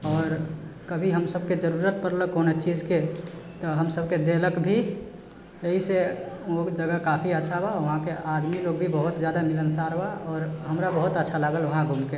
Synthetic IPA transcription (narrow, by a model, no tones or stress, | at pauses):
ɔːɾkəbʱiɦəmsəb̚ʱked͡ʒəɾuɾət̪̚pəɾləkonet͡ʃid͡ʒket̪ɔɦəmsəbʱked̪eləkbʱi | əɦiseod͡ʒəɡəkapʰiətːʃʰabaʊɦãkeʔad̪miloɡ̚bʱibəɦut̪d͡ʒjad̪amilənsaɾbaɔːɾɦəmɾabəɦut̪ətːʃʰalaːɡələɦãɡʱumke